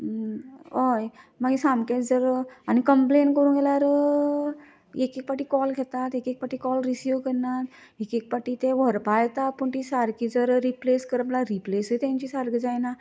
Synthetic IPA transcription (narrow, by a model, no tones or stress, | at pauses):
ojmaɡisãmket͡sd͡zəɾañikəmplenkəɾũːnɡɛlaɾ | ekek̚paʈiːkɔlɡʱɛt̪at̪ekek̚paʈiːkɔlɾisjukəɾnat̪ | ekek̚paʈiːt̪eʋəɾpajt̪apəɳt̪isaɾkid͡zəɾɾipleskəɾplaɾiplesəit̪ɛ̃ɲt͡ɕisaɾɡd͡zajna